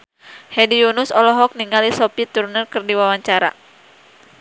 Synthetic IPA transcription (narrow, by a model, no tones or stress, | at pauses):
hɛdiunusɔlɔɦɔk̚niŋɡalisɔpit̪urnərkɨrdiwawaɲt͡ʃaɾa̰